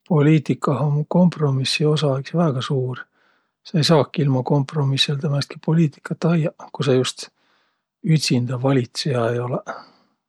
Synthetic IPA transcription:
po̞lʲiːt̪ikːˑɑhɑmko̞mpro̞misːio̞sɑeksvæːɡ̥ɑsuːr | seejsɑːkːˑilmɑko̞mpro̞misːelt̪æmɑest̪ki̥po̞liːt̪ˑi̥kːˑɑt̪ːɑjɑkusɑjust̪ | yt̪ʲsind̪ɑvɑlʲit̪sejɑejo̞le

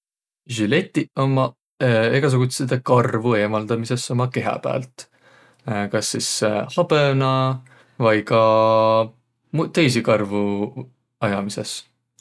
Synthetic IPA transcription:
ʒile̞t̪ːio̞mɑ | e̞ɡ̥ɑs̬eɡut̪sed̪ekɑrvue̞ːmɑld̪̥ɑmise̞so̞mɑke̞ɦɑ̰pæ̰ːlt̪ˑ | kɑsːishɑb̥enɑ | vɑjkɑ | mut̪e̞js̬ikɑrvu | ɑjɑmise̞̰s

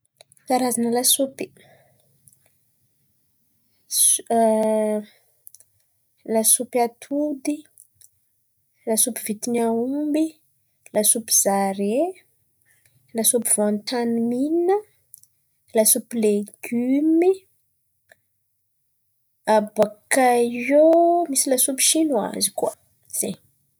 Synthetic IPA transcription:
taɾazanəlasupi | lasupiat̪ʰud̪i | lasupivit̪inaumbi | lasupi̥z̥aɾe | lasupivont̪animininə | lasupileɡ̥ymi | abakaomisilasupi̥ʃinua̰zikua | z̥eɲ

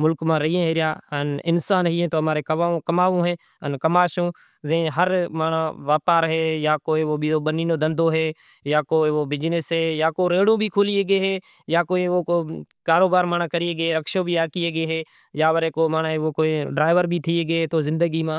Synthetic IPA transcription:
mʊlkmãːɾəɦiːẽːɦeːɾɪjaːənɪnsaːnɦiːẽːt̪oːmaːɾeːkəãkəmaːʋõːɦeː | ənkəmaːʃõː | zẽɦəɾmaːnaːʋaːpaːɾɦeːjaːkoːiːʋoːbʱiːoːɓəniːnõːd̪ə̃nd̪ʱoːɦeː | jaːkoːioːbɪd͡ʒnɪsɦeːjaːkoːɾeːɽõːbʱiːkʰoːlieːɡeːɦeː | jaːkoːiːʋoːkoː | kaːɾoːbaːɾmaːnãːkəɾieːɡəeːɾəkʃõːbʱiːaːkieːɡeːɦeː | jaːʋəɾeːkoːmaːnaːeoːkoːiɖɾaːɪʋəɾbʱiːt̪ʰiːeːɡəːɦeːt̪oːzɪ̃nd̪əɡiːmãː

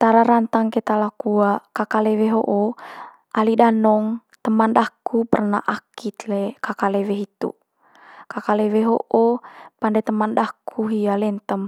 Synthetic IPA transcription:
t̪aɾaɾant̪aŋkɛt̪alakuakakalɛwɛɦoʔo | ʔalidanɔŋt̪əmanɗakupərna̰ʔakit̪lɛkakalɛwɛɦit̪ṵ | kakalɛwɛɦo̰ʔopandɛt̪əmandakʰuɦialɛnt̪əm

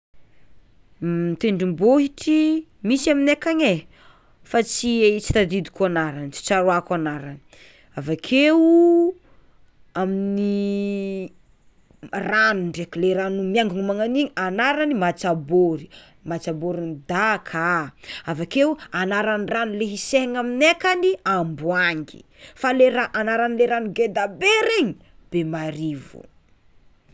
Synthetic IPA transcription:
t̪eɳɖ͡ʐimboɦiʈ͡ʂimisaminekaɲe | fat͡siet͡si̥t̪ad̪id̪i̥kuanaɾant͡ʃi̥t͡ʃaɾoakanaɾani̥ | avakʰe | aminni | ranuɳɖ͡ʐekleɾanumjaŋɡuŋimaŋaniɲanaɾanimat͡saboɾi | mat͡ʃaboɾinid̪akʰaavakeuanaɾaniranileɦiseŋaminekaniambuaŋɡḭ | faleɾaʔanaɾanleɾanuɡed̪abeɾeɲi | b̥emaɾivṵ

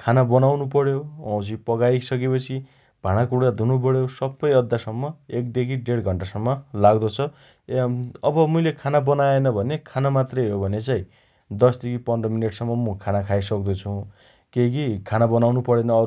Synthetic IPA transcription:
kʰanabʌnawnup̬ʌɽjoaw̃t͡sʰipʌɡaisʌk̬epʌt͡sʰi | b̥ʱaɽ̃akuɽkad̪ʱunupʌɽjosʌbːʌjʌd̪ʱːasʌmːʌek̚d̪ekʰiɖeɽɡʱʌɳʈasʌmːʌlaɡd̪ʌt͡sʰʌ | ʌbʌmujlekʰanabʌnaenʌbʱʌnekʰanamat̪rʌjɦobʱʌnet͡saĩ | d̪ʌsd̪ekʰipʌndʌmineʈsʌmːʌmukʰanakʰajsʌk̚d̪ut͡sʰũ | kekikʰanabʌnawnupʌɽenʌʌ

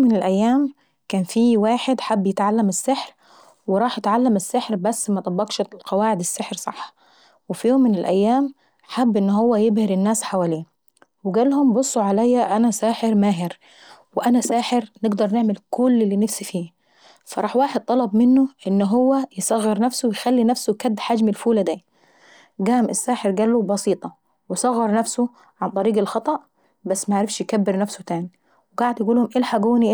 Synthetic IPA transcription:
mːɪnelʔæjːæːm | kæːnfiːwaːħed̪ħabːjet̪ʕalːæmɪsːɪħɾ | weɾˤɑːħjet̪ʕalːæmɪsːeħɾbæsːmæt̪ˤɑbːɑɡʃlqɑwaːʕed̪esːeħɾsˤɑ̰ħːɑ̥ | wefijoːmːɪnelʔæjːæːm | ħabːʔenːhowːæjebhɪɾɪnːæːsħawæːliː | weɡæːlhombosˤːoʕalæjːæʔænæsæːħeɾmæːɦɪɾ | wɪʔænæsæːħeɾnɪɡd̪ɑɾˤnɪʕmɪlkʊlːɪlːiːnafsifiː | fɑɾˤɑːħwaːħɪd̪̚t̪ˤɑlɑbmɪnːʊʔɪnːɦʊwːæjɪsˤɑɣːɪɾnafsʊwjxalːinæfsʊkæd̪ːħad͡ʒmɪlfuːlad̪aː | ɡæːmʔɪsːaːħɪɾɡæːlːubɑsiːt̪ˤɑ | wɪsˤɑɣːɑɾˤnafsʊ | ʕant̪ˤɑɾiːɡɪlxɑt̪ˤɑʔ | basːmaʕaʕɾɪfʃjkabːɪɾnafsʊt̪aːni | wɪɡaʕɪd̪jaɡuːlhʊmʔelħaɡuːniʔ

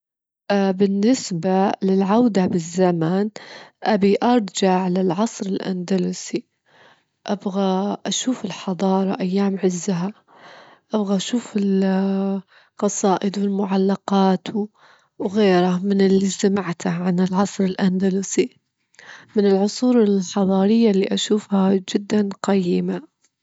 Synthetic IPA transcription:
ʔbɪnːɪsbalɪlʕawd̪abɪzːamanʔabiʔɑɾˤd͡ʒaʕlɪlʕɑsˤɾɪlʔa̰nd̪aluːsi | ʔabɣaʔaʃuːfɪlħɑd̪ˤɑːɾˤɑʔajːaːmʕɪzːaɦa | ʔabɣaʔaʃuːfɪl | qɑsˤɑːʔɪd̪wɪlmʊʕalːɑqɑːt̪ | wɣeːɾamɪnɪlːisamaʕt̪ʰaʕanɪlʕɑsˤɾɪlʔand̪aluːsi | mɪnɪlʕʊsˤuːɾɪlħɑðˤɑːɾɪjːalːiʔaʃuːfhad͡ʒɪd̪ːanqɑjːɪma

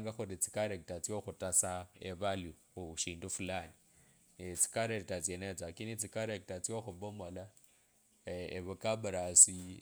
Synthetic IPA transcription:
ŋɡaxuɾit͡si̥kaɾek̚tat͡sioxutasaeβalju | uʃiːndufulani | et͡si̥kaɾeɾitat͡sjenet͡sakinit͡sikaɾek̚tat͡sioxuβomola | eβukaβuɾasi

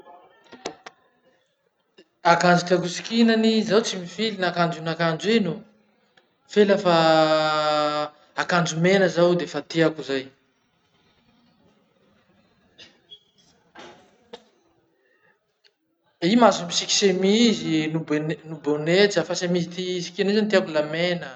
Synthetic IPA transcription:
akand͡zit̪aɡusi̥kinanizawt͡simifilinakand͡ʒinakand͡ʒuenu | felafa | akand͡ʒumenəzawd̪efat̪eakuzaj | imazumisiki̥semizinubennubonet͡səfasemizit̪isi̥kinizant̪iakulamenə

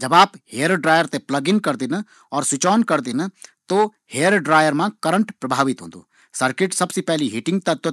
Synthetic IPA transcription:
d͡ʒɐbaːpheːəɾɖɾaːjəɾt̪eplɐɡɪnkɐɾd̪ɪn | ɔːɾsʊt͡ʃɔːnkɐɾd̪ɪnt̪o | heːəɾɖɾaːjəɾmãkɐɾə̃ɳʈpɾɐbʱaːʋɪt̪ɦõ̰ːnd̪o̰ː | sɐɾkɪʈsɐbsepɛɦliɦɪʈɪ̃ŋɡ̚t̪ɐt̪o

